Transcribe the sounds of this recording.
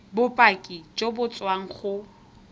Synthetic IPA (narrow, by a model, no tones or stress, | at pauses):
bʊpʼakʼit͡ʃobʊt͡sʼwaŋ̩χʊ